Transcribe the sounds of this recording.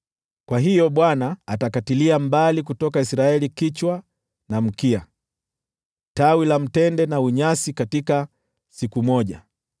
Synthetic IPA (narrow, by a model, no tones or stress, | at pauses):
kwaɦijɔɓwanaːtakatiliambalik̬utɔkaisɾaɛlikit͡ʃwa | nam̩kia | tawilam̩tɛndɛnauɲasikatika | sikumɔʄa